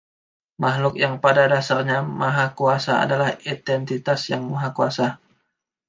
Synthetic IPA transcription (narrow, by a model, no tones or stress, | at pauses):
mahlʊkjaŋpadadasarɲamaɦakuasaa̰dalahit̪ɛnt̪it̪asjaŋmaɦakuasa